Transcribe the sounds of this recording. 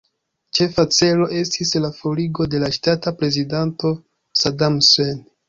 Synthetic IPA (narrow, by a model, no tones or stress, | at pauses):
t͡ʃe̞fat͡se̞lo̞ʔe̞stislafo̞liɡo̞de̞laʃtatapɾe̞zidanto̞ | sadamsen